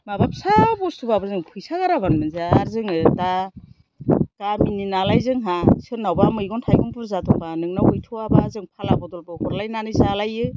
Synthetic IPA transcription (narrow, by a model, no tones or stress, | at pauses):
mabap̚sabɔstʰubabɯɾzɯŋpʰɯjsaɡaɾaβanmɯnzaːɾzɯŋɯta | tamininalajzɯŋɦasɯnawbamɯjɡɔntʰajɡɔŋpɯɾzatʰɔpanɯŋnaujtʰuabazɯŋpʰalabɔdɔlbɯhɔɾlajnanɯjzalajɯ